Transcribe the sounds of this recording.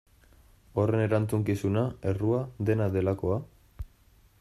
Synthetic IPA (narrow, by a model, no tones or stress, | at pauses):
o̞re̞ne̞ɾant͡suŋkisunae̞ruaðe̞naðe̞lako̞a